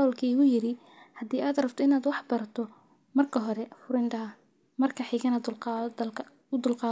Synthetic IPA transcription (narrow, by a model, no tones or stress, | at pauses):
ɔːlkʰiːʊjɪɾɪ | hɐd̪iːaːd̪rɐb̚t̪ʰɔɪnaːd̪wɑħbɐɾɐt̪ʰɔ | mɐrkʰɐɦɔɾɛfʊɾɪndɐ | mɐrkʰɐħiɣɐna | ʊd̪ʊlqɑː